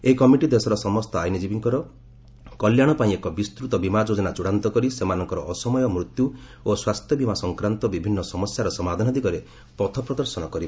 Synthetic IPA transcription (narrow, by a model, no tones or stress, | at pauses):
eikɔmiʈid̪esɔɾɔsɔmɔst̪ɔajnid͡ʒibiŋkɔɾɔ | kɔljaɽ̃ɔpaĩekɔbist̪ɾut̪ɔbimad͡ʒod͡ʒɔnat͡ʃuɽant̪ɔkɔɾisemanɔŋkɔɾɔʔːsɔmɔjɔmɾut̪juoswast̪ʰjɔbimasɔŋkɾant̪ɔbibʱinːɔsɔmɔsjaɾɔsɔmad̪ʱanɔd̪ʱikɔɾe | pɔt̪ʰɔpɾɔd̪ɔɾsɔnɔkɔɾib